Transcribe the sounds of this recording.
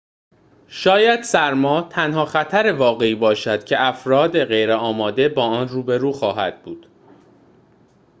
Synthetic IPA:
ʃɒːjæd̪̥sæɾmɒːt̪ʰænhɒːxæt̪ʰæɾe̞vɒːɣe̞iːbɒːʃæd̪̥cʰe̞æfɾɒːd̪e̞ɣejɾeɒːmɒːd̪e̞bɒːɒːnruːbe̞ɾuːxɒːɦæ̰d̪̚buːd̪̥

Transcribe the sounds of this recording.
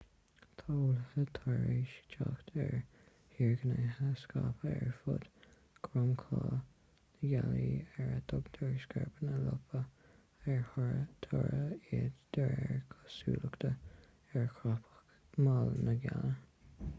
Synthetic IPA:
t̪ʰoːlhət̪ʰɔɹiʃt͡ʃaxt̪ɛɹ | hiːɹɡənəhəskapʰəɛɹfʊd̪̥ | ɡ̥ɾʊmkʰɑː | nəɡaliːɛɹad̪ʊɡd̪̥ɔɹsɡɛɹbənəlʊpʰə | ɛɹhɔɹət̪ʰɔɹəidd̪̥əɹɛɹkʰɑsuːləkt̪ʰə | ɛɹkʰɹapʰə̥xk | malnəɡalə

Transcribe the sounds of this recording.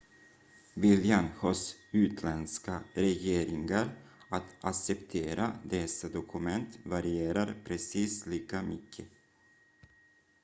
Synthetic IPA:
vɪljanhɔsʉ̟ːt̪ʰlɛnskaɾɛjeːɾɪŋaɾat̪aksɛpt̪ʰeːɾad̪ɛsːad̪ɔkʰɵmɛnt̪vaɾɪeːɾaɾpʰɾɛsiːsliːkamʏkʰːə

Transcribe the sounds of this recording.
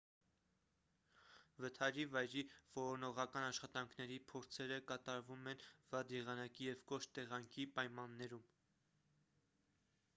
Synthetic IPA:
vət̪ʰɑɾivɑjɾiv̥ɔɾɔnɔʁɑkɑnɑʃχɑt̪ɑŋkʰnɛɾipʰɔɾt͡sʰɛɾəkɑt̪ɑɾvumɛnvɑd̪jɛʁɑnɑkijɛvkɔʃt̪ɛʁɑŋkʰipɑjmɑnːɛɾum

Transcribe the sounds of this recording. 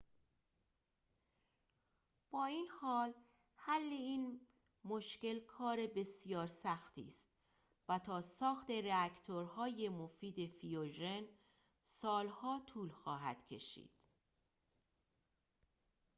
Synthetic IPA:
b̥ɒːiːnhɒːl | hælːe̞iːn | moʃce̞lkʰɒːɾe̞be̞sijɒːɾsæxt̪ʰḭːst̪̚ | væt̪ʰɒːsɒːxt̪e̞reækʰt̪ʰoɾhɒːje̞mofiːd̪e̞fioʒe̞n | sɒːlhɒːt̪ʰuːlxɒːɦæ̰d̪̥cʰe̞̰ʃḭːd̪̥

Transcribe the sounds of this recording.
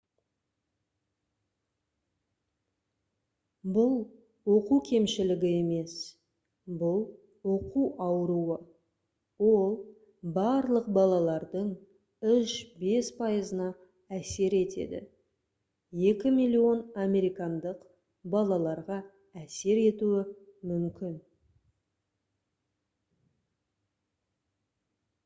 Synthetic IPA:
bʊlˠ | woquwkʲʰe̞mʃɪlɪɡʲɪe̞me̞s | bʊlˠ | wo̞quwɑwəɾuə | wo̞lˠ | bɑɾlˠəq̚bɑlˠɑlˠɑɾd̪əɴ | ʏʃbe̞spʰɑjəzənɑ | æse̞ɾe̞t̪e̞̰d̪ɪ̰ | je̞kʲɪmijlʲːio̞namʲe̞ɾijkɑnd̪əq | bɑlˠɑlˠɑɾʁɑ | æse̞ɾe̞t̪uɪmʏmkʲɪn

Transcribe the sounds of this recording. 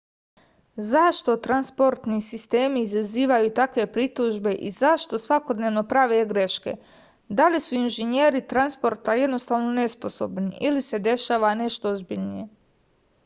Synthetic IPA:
zaʃt̪o̞t̪ɾanspo̞ɾt̪nisist̪e̞ːmiːzaziːʋajut̪akʋe̞pɾit̪uʒbe̞ʔizaʃt̪o̞sʋako̞d̪neːʋno̞pɾaʋeɡɾe̞ʃke̞̰ | d̪alisuinʒenjeːɾit̪ɾanspo̞ɾt̪aje̞d̪no̞st̪aːʋno̞ne̞spo̞so̞̰bniʔilise̞d̪e̞ʃaːʋane̞ʃt̪oozbiʎnḭje̞

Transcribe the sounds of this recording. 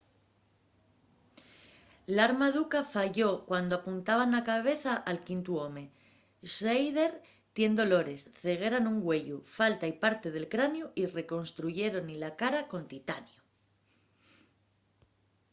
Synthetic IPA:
laɾmaðukafaʝo̞kwand̪o̞apunt̪aβ̞anlakaβ̞e̞θaʔalkint̪uo̞me̞ | ʃejðe̞ɾ | t̪je̞nd̪o̞lo̞ɾe̞sθe̞ɣ̞e̞ɾanuŋɡwe̞ʎufalt̪aipaɾt̪e̞ð̞e̞lkɾanjuʔire̞ko̞nst̪ɾuʝe̞ɾo̞nilakaɾako̞nt̪it̪anjo

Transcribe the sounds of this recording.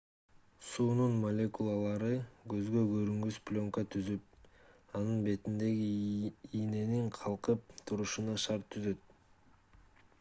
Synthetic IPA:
suːnunmɐlʲe̞kulˠɑlˠɑɾɯɡø̞zɡøɡøɾyŋɡyspʲlʲo̞ŋkət̪ʰyzyp̚ | ɑnɯnbe̞t̪ind̪e̞ɡiijne̞niɴqʰɑlˠqɯp̚t̪ʰuɾuʃunɑʃɑɾt̪ʰːyzø̞t̪̚

